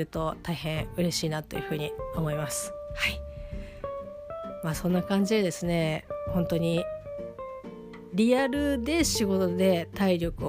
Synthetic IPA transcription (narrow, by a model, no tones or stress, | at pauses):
ɯ̟t̪o̞t̪aiɦẽ̞ɰ̃ɯ̟ɾe̞ɕiːnat̪ːo̞jɯ̟ɸɯ̟ːɲ̟io̞mo̞imasɨ̥hai | maːsõ̞nːakãɲ̟d͡ʑid̪ed̪e̞sɨne̞hõ̞nt̪o̞ɲ̟i | ɾʲiaɾɯ̟d̪e̞ɕiɡo̞t̪o̞d̪e̞t̪aiɾʲo̞kɯ̟